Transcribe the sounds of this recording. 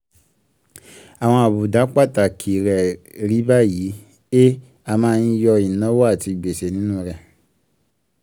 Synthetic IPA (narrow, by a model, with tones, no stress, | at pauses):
a˨w̃ɔ̃˧a˨bu˨da˨˦k͡pa˦˨ta˨kʰi˨ɾɛ˨ | ɾi˨˦ba˦ji˨˦ | e˦ | a˧mãː˦˧˦n̩˦jɔ˧i˨nɔ̃˨˦wo˦a˦˨ti˧˨ɡ͡be˨se˨nĩ˦nũ˦˧ɾɛ˧˨